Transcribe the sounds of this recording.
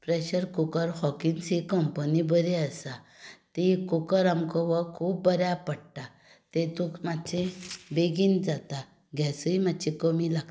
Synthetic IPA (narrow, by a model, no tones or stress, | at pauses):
pɾeɕəɾkukəɾhɔkinsikɔmpənibəɾeəsat̪ikukəɾamkɔʋakʰuːbbəɾjapəɽʈa | t̪et̪ukmat͡ɕẽbeɡind͡zat̪a | ɡasuimad̪t͡ɕikəmilaɡ̪